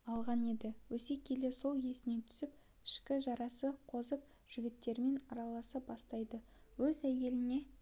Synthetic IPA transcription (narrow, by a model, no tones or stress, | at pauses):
ɑlˠʁɑne̞d̪ɪwɵse̞kʲʰe̞le̞so̞lˠje̞sɪne̞t̪ʰʏ̥sɪp̚ | ɪ̥ʃkʲɪʒɑɾɑsəqʰo̞zəp̚ | ʒ̥ɪɡʲɪt̪ːe̞ɾme̞nɑɾɑlˠɑsəp̚bɑst̪ɑjd̪ə | wɵzæje̞lɪne̞